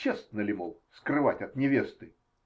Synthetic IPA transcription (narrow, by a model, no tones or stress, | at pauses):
est̪nəlʲɪmolˠskɾɨva̰tʲɐt̪nʲɪvʲest̪ɨ